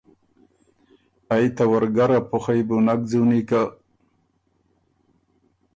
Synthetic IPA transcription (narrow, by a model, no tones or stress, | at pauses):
ajt̪awaɾɡaɾapʊxajbunak̚d͡zunika